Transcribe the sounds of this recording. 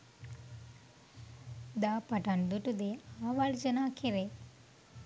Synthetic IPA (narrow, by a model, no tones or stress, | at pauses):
d̪apaʈand̪uʈud̪eaʋaɭd͡ʑənakʰeɾe